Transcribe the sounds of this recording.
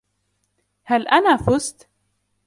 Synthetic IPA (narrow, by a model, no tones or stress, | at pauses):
halʔanaːfʊst̪